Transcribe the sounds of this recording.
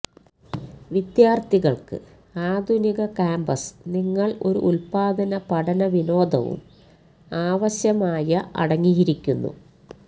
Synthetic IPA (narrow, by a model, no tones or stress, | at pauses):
ʋid̪jaːrt̪iɣɐɭkɨ̰ | aːd̪ʱuniɣɐkaːmbɐsniŋːɐɭo̞̰ɾṵʔulpaːd̪ɐnɐpɐɽɐnɐʋino̞ːd̪ʱɐ̰ʋṵm | aːʋɐɕjɐmaːjɐɐ̰ɽɐŋːijiɾikʲːunːṵ